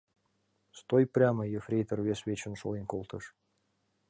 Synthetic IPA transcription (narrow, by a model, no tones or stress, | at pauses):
st̪ojprʲɑməjəfrʲejt̪ə̆rvʲesvʲet͡ɕə̆nʃo̰linʲkolˠt̪ɤ̆ʂ